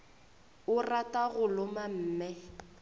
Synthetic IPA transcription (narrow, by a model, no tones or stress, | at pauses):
ʊratʼaɣʊlʊmam̩ːmɛ